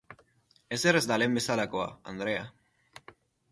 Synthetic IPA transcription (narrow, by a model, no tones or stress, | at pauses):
eserezd̪alembe̞salakoa̰and̪ɾea